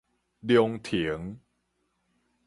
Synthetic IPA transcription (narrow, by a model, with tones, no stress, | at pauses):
di˧ə˧ŋt̪ʰi˨˩˦ə˦ŋ